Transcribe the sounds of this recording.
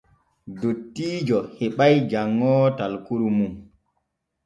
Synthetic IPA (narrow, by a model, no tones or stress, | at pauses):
dotːiːd͡ʒɔhɛɓajd͡ʒaŋːɔːtalkuɾumum